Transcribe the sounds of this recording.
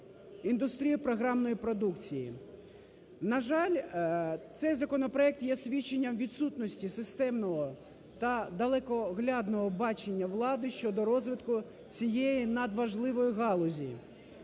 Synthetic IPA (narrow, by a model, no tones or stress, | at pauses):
ind̪ʊst̪ɾʲijipɾɔɦɾɑmnɔjipɾɔd̪ukt͡sʲijḭ | nɐʒɑlʲt̪sɛjzɐkɔnɔpɾɔɛk̚t̪jɛsʲʋʲit͡ʃːenʲːɐmʋʲid̪sut̪nɔsʲtʲisɪst̪ɛmnɔɦɔ | t̪ɐd̪ɐlˠɛkɔɣlʲɑd̪nɔɦɔbɑt͡ʃenʲːɐʋlˠɑd̪ɪʃt͡ʃɔd̪ɔɾɔzʋɪt̪kʊ | t͡sʲijejinɐd̪ʋɐʒlˠɪʋɔjiɦɑlˠɔzʲijḭ